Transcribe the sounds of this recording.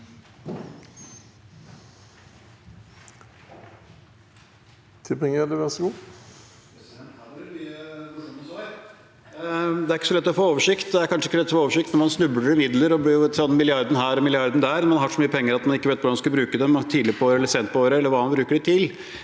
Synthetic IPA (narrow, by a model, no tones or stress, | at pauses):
t̪ʰɪpɛŋɛləʋæsɡuː | d̪ɛæɾɪkːəsɔlɛt̪ːɔfoːoːʋəʂɪkt̪d̪ɛæɾkʰɑnʂəɪkːəlɛt̪ːsɔfooːʋəʂɪkt̪nɔɾmɑnsnʉbləɾɪmɪd̪ləɾɔblɪjʊɛt̪ːəsɑnmɪlɪɑɾd̪n̩ɦæːɾɔmɪlɪɑɾd̪nd̪æːɾnmɑnhɑʂɔmyːəpʰɛŋːəɾɑt̪mɑnɪkːəʋeːt̪ʋʊɖɑnskɑbɾʉːkəd̪ɛmt̪ʰiːd̪lɪpʰɔoːɾəɛlːəseːnt̪̚pʰɔoːɾəɛləʋɑːɑnbɾʉːkəɖɛt̪ʰɪl